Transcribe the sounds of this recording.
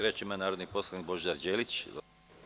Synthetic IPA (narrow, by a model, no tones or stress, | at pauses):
ɾet͡ʃimanaːɾod̪nipo̞slˠanik̚bo̞ʒaɾd͡ʒeːlit͡ɕ